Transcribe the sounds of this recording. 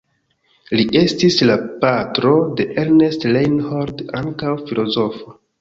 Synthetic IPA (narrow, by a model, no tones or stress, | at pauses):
liʔe̞stislapatɾo̞de̞ʔeɾnestlejnhoɾdaŋkawfilo̞zo̞fo